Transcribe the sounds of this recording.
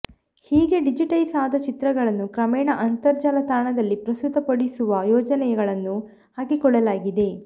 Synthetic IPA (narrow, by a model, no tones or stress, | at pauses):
hiːɡe̞ɖid͡ʒiʈɐjsaːd̪ɐt͡ʃit̪ɾɐɡɐɭɐnːukɾɐmɛːɳɐʔɐnt̪ɐɾd͡ʒaːlɐt̪aːɳɐd̪ɐlːipɾɐst̪ut̪ɐpɐɽisuʋɐjɔːd͡ʒɐnɛjɐɡɐɭɐnːu | haːkikɔɭːɐlaːɡid̪e̞